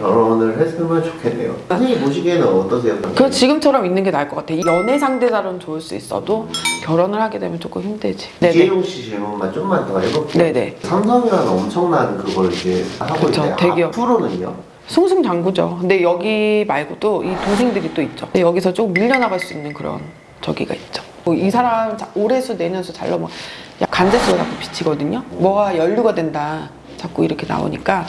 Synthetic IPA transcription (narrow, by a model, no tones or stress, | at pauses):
kjʌɾʌnɯɭɦes͈ɯɭmjʌnt͡ɕo̥kʰenːḛjo̰ɯseŋiboɕ̬ʰiɡenɯnʌt͈ʌs̬ʰejʌt͈ʌkɯʌt͡ɕiɡɯmt͡ɕʰʌɾʌminːɯnɡe̞naɭk͈ʌk͈atʰeijʌne̞sʰaŋde̞d͡ʑaɾonɯnt͡ɕoɯɭs͈uḭs͈ʌ̰dokjʌɾʌnɯɭɦhaɡe̞dwe̞mjʌnt͡ɕok͈ɯmçimded͡ʑi̥neejoŋɕʰiɕʰiɭmomant͡ɕ͈omːantʰʌɦebok͈inne̞ne̞̰sʰamsʰʌŋiɾanɯnʌmt͡ɕʰʌŋnanɯnkɯɡʌɾɭid͡ʑehakɡɯoit͡ɕʰoeteɡijʌpʰɯɾonɯno̰ | sʰuŋsʰuŋt͡ɕaŋɡud͡ʑo̰kɯnde̞jʌɡimaɭɡodoʔitoŋsʰe̞ŋdɯɾit͈oit̚t͡ɕ͈odejʌɡisʰʌt͡ɕ͈okmiʎːʌnaɡaɭs͈uinːɯnkɯɾʌ̰n | t͡ɕʌɡiɡa̰it̚t͡ɕ͈o̥ | mʌisʰaɾamt͡ɕaoɾe̞sʰune̞ɲʌnsʰʌt͡ɕa̰ɭːamwʌ̰ja̰k͈and͡ʑes͈ʰɯɡʌt͡ɕak͈opi̥t͡ɕʰiɡʌdɯɲomwʌɡajʌʎːuɡadwe̞nda | t͡ɕak͈̚uiɾʌkʰe̞na̰o̰ɲik͈a